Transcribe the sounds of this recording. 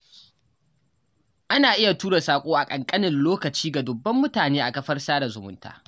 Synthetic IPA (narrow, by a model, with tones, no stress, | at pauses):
ʔa˦naː˨ʔɪ˦ja˨tuː˦ɽe˨saː˨kʷʼoː˦ʔa˨kʼɐ˨ŋkʼɐ˦nɪ˨nloː˦kɐ˨t͡ʃiː˦ɡa˨dʊ˨bːɐ˦mːʊ˦taː˨neː˦ʔa˨kɐ˦ɸɐ˦rsaː˦da˨zʊ˨mʊ̰˦ntʰa̰ː˦